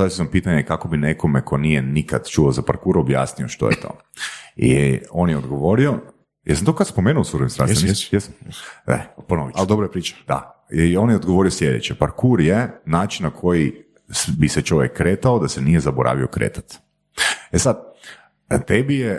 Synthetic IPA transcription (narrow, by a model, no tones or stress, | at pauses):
aisisampiːt̪aɲekako̞bineko̞mekʰo̞nijenikad̪t͡ʃuozapa̰ɾkuɾuobja̰ːsnioʃt̪ojḛt̪ʰo̞̰ː | ḭo̞njɛod̪ɡoʋo̞ɾio̞ | ja̰samt̪okad̪spo̞meːnuosuɾemst̪a̰sjesmɛ̰ponoʋiald̪obɾoepɾiːt͡ʃḁd̪̥a̰ | io̞njeod̪ɡoʋo̞ɾioslʲje̞d̪ḛt͡ʃepaɾkuɾjenaːt͡ʃinnakʰo̞ji | biset͡ʃo̞ʋjekːɾeːt̪aod̪asenijezaboɾa̰ːʋio̞kɾḛːt̪ḁt̪ | esad̪ | t̪ebije